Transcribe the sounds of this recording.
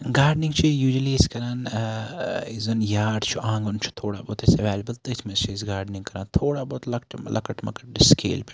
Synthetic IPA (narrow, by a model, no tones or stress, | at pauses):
ɡaːɾɖniŋɡt͡ʃʰijuːd͡ʒiliskɐɾaːn | izɐnjaːɖt͡ʃʰuʔãːŋɡont͡ʃʰu̥t̪ʰoːɽa̰ːboːt̪ɐsɐʋeːlɐbəlt̪ɐt̪ʰmɐst͡ʃʰisɡaːɾɖnĩŋkɐɾaːnt̪ʰoːɽaːboːt̪lɐkʈlʔɐ̰kɐʈmɐ̰kɐ̥ʈɖiskʰḛːlpe